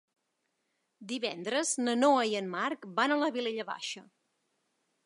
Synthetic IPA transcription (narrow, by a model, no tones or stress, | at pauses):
d̪iβɛnd̪ɾəznənoəiənmarkbanələβileʎəβa̰ʃə